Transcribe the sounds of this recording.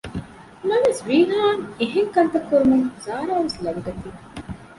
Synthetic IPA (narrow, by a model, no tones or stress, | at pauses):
mɐʋesʋiːnaːŋeɦeŋkɐnt̪ɐkːuɾumɐŋzaːɾaːʋeslɐʋiɡɐt̪i